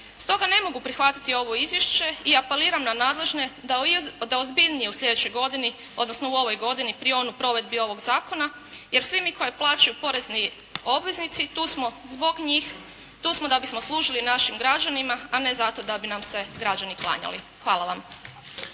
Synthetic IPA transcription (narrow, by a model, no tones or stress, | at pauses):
st̪o̞ɡane̞mo̞ɡupɾixʋat̪i̥t̪io̞ʋo̞izjeʃt͡ʃe̞iape̞liːɾamnanaːd̪lˠe̞ʒne̞ | d̪aozbiʎnijeusʎʲe̞d̪et͡ɕo̞jɡo̞d̪ini | o̞d̪nosno̞uo̞ʋo̞jɡo̞d̪inipɾieo̞nupɾo̞ʋe̞d̪̚bio̞ʋo̞ɡzaːko̞na | je̞ɾsʋimikʰo̞jeplˠaːt͡ʃajupo̞ɾezni | o̞bʋe̞znit̪sit̪usmozbo̞ɡɲix | t̪uːsmo̞d̪abismoslˠuːʒilinaʃimɡɾad͡ʑanimaane̞zat̪o̞d̪abinamse̞ɡɾad͡ʑaniklˠa̰ːɲa̰lḭ | xʋaːlˠaʋam